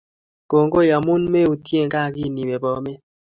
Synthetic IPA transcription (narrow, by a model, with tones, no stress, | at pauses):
ko˨ŋ˦ɡo˦˨ja˨mu˦nme˦u˨tje˦˨ŋ˦ka˦˨ki˦˨ni˨be˨bɔ˨˦me˦